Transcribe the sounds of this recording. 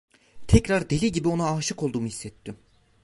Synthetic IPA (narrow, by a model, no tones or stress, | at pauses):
t̪ʰɛcɾaɾd̪e̞lʲiɟibio̞naːʃɯko̞lˠd̪uːmuhisːɛt̪ʰːim